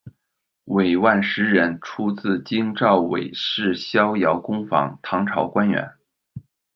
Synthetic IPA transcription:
we˨˩ɪwa˥˩nʂɻ̩˧˥ɻə˧˥nʈ͡ʂʰu˥t͡sɹ̩˥˩t͡ɕi˥ŋʈ͡ʂɑ˥˩ʊwḛ˨˩ɪʂɻ̩˥˩ɕjɑ˥ʊjɑ˧˥ʊkʊ˥ŋfɑ̰˧˥ŋt̪ʰɑ˧˥ŋʈ͡ʂʰɑ˧˥ʊkwa˥nɥɛ̰˧˥n

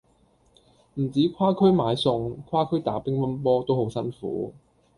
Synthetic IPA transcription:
m̩˨˩t͡siː˨˥kʰwaː˥kʰɵ˥ɥmaː˨˧jsʊ˧ŋkʰwaː˥kʰɵ˥ɥt̪a̰ː˨˥pɪ˥ŋwɐ˥np̬ɔː˥t̪o˥who˨˥wsɐ˥nfṵː˨˥˦

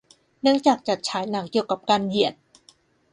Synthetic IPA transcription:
nɯ˦˥ŋt͡ɕaː˨˩k̚t͡ɕa˨˩t̪̚t͡ɕʰaː˩˦jna˩˦˥k̚ki˨˩əwka˨˩p̚kaː˧nji˨˩ət̪̚

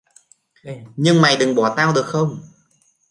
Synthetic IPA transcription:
ɲɨ˧ŋma˨˩jɗɨ˨˩ŋɓɔ˧˩t̪aː˧wɗɨ˨˩ək̚xə˧wŋ͡m

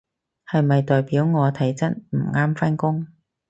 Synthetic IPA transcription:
hɐ˨jmɐ˨jt̪ɔː˨jpiː˨˥wŋɔː˨˧t̪ʰɐ˨˥jt͡sɐ˥t̚m̩˨˩ŋaː˥mfɐ˥nkʊ˥ŋ

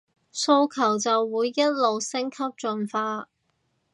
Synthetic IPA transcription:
so˧wkʰɐ˨˩wt͡sɐ˨wːuː˨˧jːɐ˥t̚lo˨wsɪ˥ŋkʰɐ˥p̚t͡ʃɵ˨nfaː˧

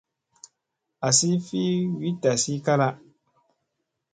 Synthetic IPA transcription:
a˨si˦fi˦wi˦ta˨si˦ka˦la˦

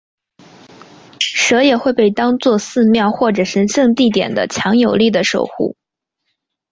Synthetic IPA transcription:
ʂɤ˧˥jɛ˨˩xwe˥˧ɪpe˥˩ɪt̪ɑ˥ŋt͡swɔ˥˧sɹ̩˥˧mjɑ˥˧ʊxwɔ˥˩ʈ͡ʂɤ˨˩ʂə˧˥nʂɤ˥˧ŋt̪i˥˩t̪̬jɛ̰˨˩nd̪ə̰˦t͡ɕʰjɑ˧˥ŋjo˨˩ʊli˥˩d̪ə˩ʂo̰˨˩ʊxṵ˥˩

